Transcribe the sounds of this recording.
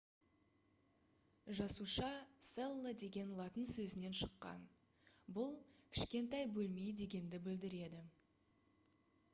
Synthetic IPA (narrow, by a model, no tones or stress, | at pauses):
ʒɑsuʃɑselˠːəd̪e̞ɡʲe̞nlˠɑt̪ənsɵzɪne̞nʃə̥qːɑ̰n | bʊlˠkʲʰɪ̥ʃkʲe̞nt̪ɑjbɵlme̞jd̪e̞ɡʲe̞nd̪ɪbɪld̪ɪɾe̞d̪ɪ